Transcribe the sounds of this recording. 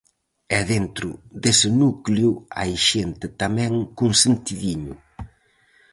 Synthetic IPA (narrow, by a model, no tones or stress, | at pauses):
ɛðent̪ɾʊðesɪnukljʊa̰jʃent̪ɪt̪amɛ̃ŋkuŋsent̪iðiɲʊ